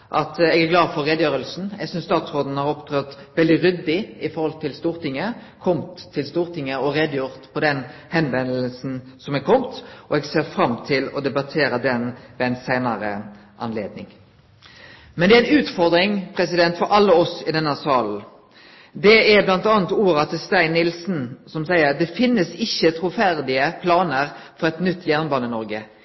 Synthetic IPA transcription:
ʔɑt̪ɛɡæɾɡlɑːd̪fɔɾʁɛd̪jøːɾəlsn̩ɛ̰ɡsʏnst̪ɑːt̪sʁoːd̪n̩hɑɾɔpt̪ʰɾɑt̪ʋɛld̪ɪɾʏd̪ːɪɪfɔɾhɔlt̪ʰːɪlst̪uːɾt̪ɪŋːəkʰɔmt̪ʰːɪlst̪uːʁt̪ʰɪŋːəɔɾɛd̪juɾt̪pʰɔd̪ɛnhɛnʋɛnəllsn̩sɔmɛɡkʰɔmt̪ʔɔɛɡseːɾfɾɑmt̪ʰɪlɔd̪ɛbɑt̪ʰeːɾəd̪ɛnʋɛæɪnsæɪnəɾə̰ | ʔɑ̰nlḛːd̪̚nɪ̰ŋ | mɛnd̪ɛːæɪnʉːt̪fɔɾd̪ɾɪŋpʰɾɛsɪd̪ɛnt̪fɔɾʔɑlːəɔsɪd̪ɛnːəsɑːln̩ | d̪ɛæblɑnt̪ɑːnt̪uːɾɑt̪ʰɪst̪æɪnːɪlsn̩sɔmsæɪəɾd̪ɛfɪnːəsɪçːət̪ʰɾuːfæɾd̪ɪəpʰlɑːnəɾfɔɾɛt̪nʏt̪ːjæʁnbɑːnənɔɾɡə

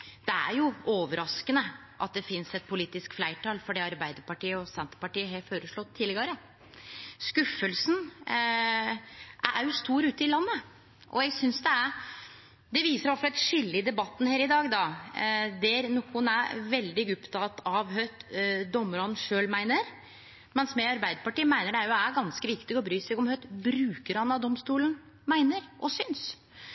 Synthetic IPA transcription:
d̪̥ɛæ̰ɾjʊoːʋəɾʔɑskənə | ʔɑ̰t̪̚d̪ɛfɪnsɛt̪̚pʰʊliːt̪ɪskflæɪʈʰɑːlfɔɖɛɑɾbæɪd̪əɾpɑʈiːəɔsɛnt̪ə̥pɑʈiːəɦefoːɾəʂɭɔt̪ʰːiːləɡɑɾə | skʉfːəlsn | ʔæ̰ʔæst̪uːɾʉːt̪ɪlɑnːə | ʔɔ̰ɛɡsʏnsd̪ɛæɾ | d̪ɛʋiːsəɾʋɑfɑlɛt̪ʂɪlːɪd̪ɛbɑt̪ːn̩heːɾɪd̪ɑːɡd̪ɑ | d̪ɛɾnuːkʰʊnæɾʋɛld̪ɪɡʊpt̪ɑt̪ɑʋɦœʏt̪d̪ɔmːəɾɔn̩ʂøːlmæɪnəɾ | mɛnsmɛɑɾbæɪd̪əpɑʈiːmæɪnəɖæɾjʊæɡɑnskəʋɪkt̪ɪɡɔbɾyːsɛɡɔmhœʏt̪bɾʉːkəɾhɑnɑʋd̪ɔmst̪uːln | mæɪnəɾʔɔsʏns

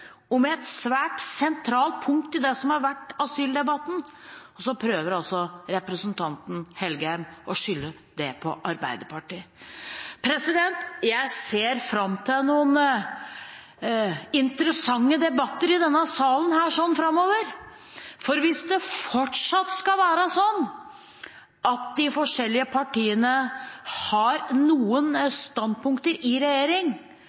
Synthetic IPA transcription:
ɔmɛɛt̪sʋæːʈsɛnt̪ʰɾɑːlt̪̚pʰʊŋkt̪ɪd̪ɛsɔmhɑɾʋæʈːɑsyːld̪ɛbɑt̪ːn̩ | ɔsɔpʰɾøːʋəɾɔsɔɾɛpɾəsnt̪ʰɑnt̪n̩hɛlɡəhæɪmʔɔʂʏlːə | d̪̥ɛpʰɔʔɑɾbæ̰ɪd̪əpʰɑʈiːə | pʰɾɛsɪd̪ɛnt̪jæɪseːɾfɾɑmt̪ʰɪlnuːən | ɪnt̪ɾəsɑŋːəd̪ɛbɑt̪ːəɾɪd̪ɛnːəsɑːlənhæːʂɔnfɾɑmːoːʋəɾ | fɔɾʋɪsd̪ɛfɔʈʂɑt̪ːskɑʋæːɾəsɔnː | ɑt̪̚d̪ɪfɔʂɛlːɪəpʰɑʈiːənəhɑɾnuːənst̪ɑnd̪̚pʊŋkt̪əɾɪɾɛjeːɾɪŋ

